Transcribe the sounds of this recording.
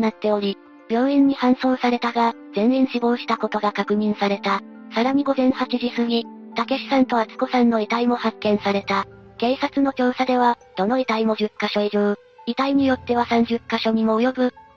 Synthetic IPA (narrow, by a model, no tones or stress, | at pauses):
nat̪ːe̞o̞ɾʲi | b̥ʲjo̞ːẽ̞ɲ̟ːihãɰ̃so̞ːsaɾe̞t̪aɡazẽ̞ɰ̃ẽ̞ɰ̃ɕibo̞ːɕi̥t̪ako̞t̪o̞ɡakakɯ̟ɲ̟ĩɰ̃saɾe̞t̪a | saɾaɲ̟iɡo̞zẽ̞ɰ̃hat͡ɕiʑisɨɲ̟it̪ake̞ɕi̥sãnt̪o̞at͡sɨ̥ko̞sãnːo̞it̪aimo̞hakːẽ̞ɰ̃saɾe̞t̪a | ke̞ːsat͡sɨno̞kʲo̞ːsad̪e̞β̞ad̪̥o̞no̞it̪aimo̞ʑɨkːaɕo̞iʑoː | it̪aiɲ̟ijo̞t̪ːe̞β̞asãɲ̟d͡ʑɨkːaɕo̞ɲ̟imo̞ːjo̞bɯ̟